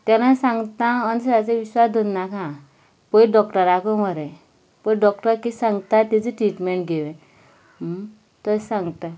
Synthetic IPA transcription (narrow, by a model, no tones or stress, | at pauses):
t̪anãsãŋɡt̪ãənsat͡seʋiɕʋasd̪ʱonːakã | pəjɖɔkʈəɾakɔməɾe | pəjɖɔkʈəɾkisãŋɡt̪at̪id͡ziʈɾiʈmeɳʈɡʱeʋẽ | t̪əsãŋɡt̪a